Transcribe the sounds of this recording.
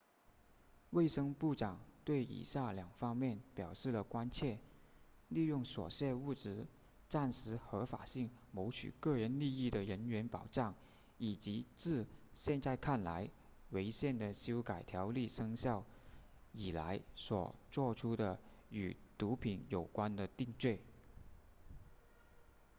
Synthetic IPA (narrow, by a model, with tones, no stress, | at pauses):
we˥˩ɪʂɤ˥ŋpu˥˩ʈ͡ʂɑ˨˩ŋt̪we˥˩ɪḭ˨˩ɕja˥˩ljɑ˨˩ŋfɑ˥ŋmjɛ˥˩npjɑ˨˩ʊʂɻ̩˥˩lə˩kwa˥nt͡ɕʰjɛ˥˧ | li˥˧jʊ˥˩ŋswɔ̰˨˩ɕjɛ˥˧u˥˩ʈ͡ʂɻ̩˧˥ | ʈ͡ʂa˥˩nʂɻ̩˧˥xɤ˧˥fa̰˨˩ɕi˥˩ŋmo˧˥ʊt͡ɕʰy̰˨˩kɤ˥˩ɻə˧˥nli˥˧i˥˩d̪ə˩ɻə˧˥nɥɛ˧˥npɑ˨˩ʊʈ͡ʂɑ˥˩ŋ | i˨˩t͡ɕi˧˥t͡sɹ̩˥˧ɕjɛ˥˧nt͡sa˥˧ɪkʰa˥˩nla˧˥ɪ | we˧˥ɪɕjɛ˥˩nd̪ə˨˩ɕjo˥ʊka˨˩ɪt̪ʰjɑ˧˥ʊli˥˩ʂɤ˥ŋɕjɑ˥˩ʊ | i˨˩la̰˧˥ɪswɔ̰˨˩t͡swɔ˥˩ʈ͡ʂʰu˥d̪ə˨y̰˨˩t̪u˧˥pʰi˧˥njo˨˩ʊkwa˥nd̪ə˨t̪i˥˧ŋt͡swe˥˩ɪ